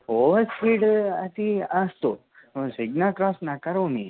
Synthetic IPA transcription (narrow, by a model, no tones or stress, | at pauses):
oʋəskiʈat̪iast̪o | õsiɡnakɾɔsnakəɾoni